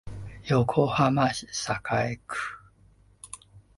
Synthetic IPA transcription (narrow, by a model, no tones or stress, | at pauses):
jokʰohamaɕi̥sakʰaekɯ̥